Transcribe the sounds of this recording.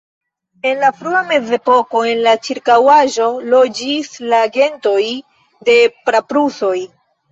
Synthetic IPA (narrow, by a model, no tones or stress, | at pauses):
e̞nlafɾuame̞ze̞po̞ko̞e̞nlat͡ʃiɾkawaʒo̞lo̞d͡ʒislaɡe̞nto̞j | de̞pɾapɾuso̞j